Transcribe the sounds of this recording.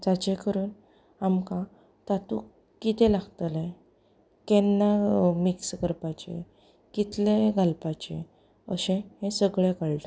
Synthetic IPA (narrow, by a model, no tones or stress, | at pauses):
d͡zat͡ɕẽkəɾuːn | amkã | t̪at̪uk | kːit̪ẽlaɡt̪əla | kɛnːamikskəɾpat͡ɕḛ̃ | kit̪lẽɡʱalpat͡ɕḛ̃ | əɕẽhẽsəɡɭekəɭʈa